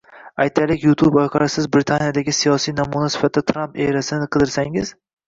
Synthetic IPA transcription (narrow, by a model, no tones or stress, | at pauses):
ajt̪ʰalɪkʲjut̪ʰubɒjqʰɑɾasɪzbɾɪt̪ʰanijad̪aɡʲɪsijɒsijnamunasɪfat̪ʰːd̪at̪ʰɾampeɾasɪnɪqʰɨd̪ɪɾsaŋɪz̥